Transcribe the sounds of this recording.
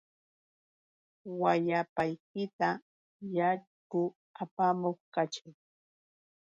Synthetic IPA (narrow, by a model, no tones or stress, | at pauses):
wajapajk̚ɪt̪a | jaʎ | kʊ | apamoχkat͡ʃɪŋ